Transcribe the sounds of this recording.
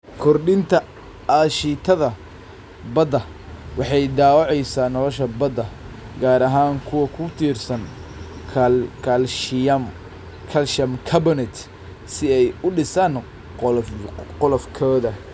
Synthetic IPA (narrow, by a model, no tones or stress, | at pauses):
kʰɔrɖɪnt̪ʰɐ | aːʃit̪ʰɐðɐ | bɐd̪ɐ | wɑħɑjd̪aːwɑʕɛjsaːnɔlɔʃɐbɐd̪ɐ | ɡaːɾɐɦaːŋkʰʊwɐkʰʊt̪ʰiːrsɐnkʰkʰɐlʃɪjɐm | kʰɐlʃɐmkʰɐbɪnɛt̪ | sɪɛjʊɖɪsaːn | qɔlɔfkʰɔːðɐ